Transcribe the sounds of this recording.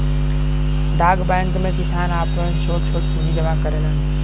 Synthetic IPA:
d̪aːɡbaːjə̃ŋkmẽkɪsaːnaːpət͡ʃʰoːʈt͡ʃʰoːʈkʰuːnid͡ʒɐmakəɾeːnãː

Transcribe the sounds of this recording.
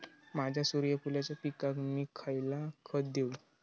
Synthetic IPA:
mad͡ʑʱjasuɾjəpulat͡ɕjapikakmiːkʰajlakʰət̪̚d̪eu

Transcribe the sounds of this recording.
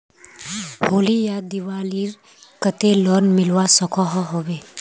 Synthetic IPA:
hoːlijad̪iʋaːliɾ | kət̪elɔnmɪlʋasəkʰɔɦɔɦobeː

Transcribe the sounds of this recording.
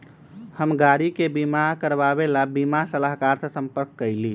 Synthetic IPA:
həmɡaɾikebimakəɾbabelabimasəlaɦkaɾsə̃səmpəɾkːəɪli

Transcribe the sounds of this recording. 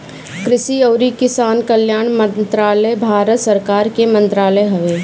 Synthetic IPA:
kɾɪsiɐːɾikɪsaːnkɐljaːɽ̃mə̃nt̪ɾaːləjbʱaːɾət̪sɐɾkaːɾkemɐ̃nt̪ɾaːləjɦɐʋeː

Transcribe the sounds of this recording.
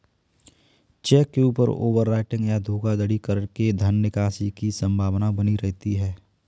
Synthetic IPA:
t͡ʃɛːkːeuːpə̰ɾo̰ːʋəɾːaːɪʈɪ̃ŋɡjad̪ʱoːɡad̪əɽikəɾəɽked̪ʱənːɪkaːsikisə̃mbʱaːʋnabɐniɾɛɦt̪iɦɛː

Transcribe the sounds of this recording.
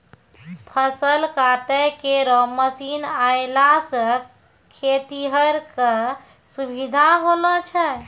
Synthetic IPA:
pʰəsəlkaʈəkeɾɔməsinaelasə | kʰet̪iɦəɾke | subid̪ʱaɦolɔt͡ʃʰɛ

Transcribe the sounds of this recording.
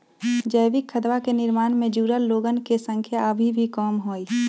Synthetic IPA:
d͡ʒəːʋɪkʰːəd̪ʋakenɪɾmaːnmẽd͡ʒuːɾəlloːɡənkesə̃ŋkʰjaəbʱibʱikɔːmɦoːiː

